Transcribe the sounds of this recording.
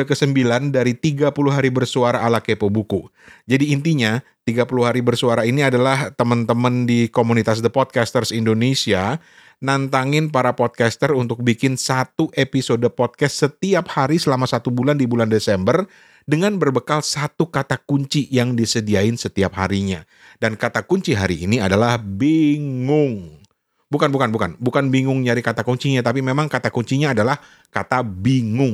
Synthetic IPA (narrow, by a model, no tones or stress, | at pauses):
akəsəmbilandaɾit̪iɡapuluɦaɾibərsuaɾaːlakepəbuku | d͡ʒadiːnt̪iɲa | t̪iɡapuluɦaɾibərsuaɾainiadalaht̪əmənt̪əməndikomunit̪as̬d̪əpɔd̪̚kast̪ərsindonesia | nant̪aŋɪnpaɾapɔd̚kast̪ərunt̪ʊk̚bikɪnsat̪uʔepisodəpɔt̚kastːət̪iap̚haɾisəlamasat̪ubulandibulandesɛmbər | dəŋanbərbəkalsat̪ukat̪akuɲt͡ʃijaŋdisədiaɪnsət̪iap̚ha̰ɾiɲa | dankat̪akuɲt͡ʃiɦaɾiʔːniadalahbiŋʊŋ | bukanbukanbukanbukanbiŋʊŋd͡ʒaɾikat̪akuɲt͡ʃiɲat̪apimemaŋkat̪akuɲt͡ʃiɲaːdalah | kat̪abiŋʊŋ